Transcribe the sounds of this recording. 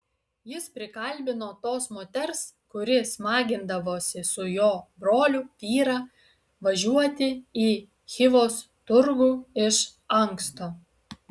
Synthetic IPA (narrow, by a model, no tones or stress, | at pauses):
jɪspʲɾʲɪkɐlʲbʲɪnoːt̪oːsmoːt̪ʲɛɾskʊɾʲɪsmɑːɡʲɪnd̪ɐʋoːsʲɪsʊjoːbɾoːlʲʊʋʲiːɾɑː | ʋɐʒʲuɔt̪ʲɪiː | xʲɪʋoːs | t̪ʊɾɡuːɪʃ | ɐŋkst̪oː